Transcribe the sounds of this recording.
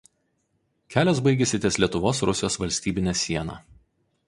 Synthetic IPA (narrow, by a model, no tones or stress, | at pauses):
kʲæːlʲɛs̬bɐɪɡʲɛsʲɪt̪ʲeːslʲiɛt̪ʊʋoːsɾʊsʲɪjoːsʋɐlʲsʲt̪ʲiːbʲɪnʲɛsʲiɛnɑ̰ː